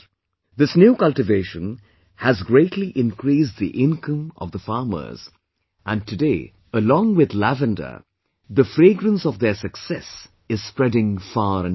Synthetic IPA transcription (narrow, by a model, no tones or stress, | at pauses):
ðɪsnjuːkʌlˠtɨveɪʃə̃n | hæzɡɹeɪtʰliʔɪ̃nkɾis̬ðiʔɪ̃nkʰʌ̃mʌ̰vðəfɑːmə̰˞z̥ | ʔæ̃ntʰɨdeɪ | əlɔ̃ŋwɪðlævɨ̃ndə̰ | ðəfɾeːɡɾə̃nsɔvðəsɨksɛs | ɨz̥spɹɛdɪ̃ŋfɑːɾɨ̃n